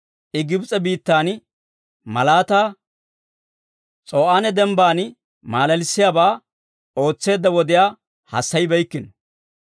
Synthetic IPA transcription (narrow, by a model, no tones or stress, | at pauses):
ʔɪɡɪbt͡sʼɛbiːt̪ːaːn | mɐlaːt̪aː | t͡sʼo̞ːʔanɛd̪ɛmbaːn | maːlɐlɪsːɪjaːbaː | o̞ːt͡sːe̞ːd̪ːɐwɔd̪ɪjaː | hɐ̰sːɐjbɛjkːɪn